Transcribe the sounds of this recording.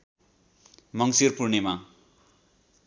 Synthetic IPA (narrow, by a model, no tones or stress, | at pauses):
mʌŋsirpurnema